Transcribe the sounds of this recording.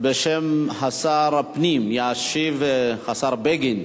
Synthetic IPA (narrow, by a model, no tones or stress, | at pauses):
beʃemħasɑɾˤpniːmjaʕʃivħasɑɾˤbeɡin